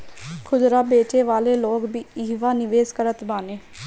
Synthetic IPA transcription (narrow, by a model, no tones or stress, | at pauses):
kʰʊzɾaːbeːt͡ʃeːʋaːleːloːkbiːiːʋaːnɪʋeːskəɾət̪baːneː